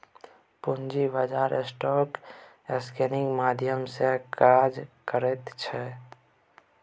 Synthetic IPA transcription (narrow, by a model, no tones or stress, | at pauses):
pund͡ʒibəd͡ʒaːɾesʈɔːk | eskenɪŋɡmaːd̪ʱjəmsekaːd͡ʒkəɾət̪t͡ʃʰɛ